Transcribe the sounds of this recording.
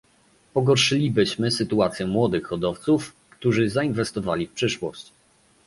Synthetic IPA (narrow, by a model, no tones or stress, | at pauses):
pɔɡɔɾʂɘlʲibɘɕmɘsɘt̪uat̪sʲjɛmwɔd̪ɘxːɔd̪ɔft̪suf | kt̪uʐɘzainvɛst̪ɔvalʲifpʂɘʂwɔ̰ɕt͡ɕ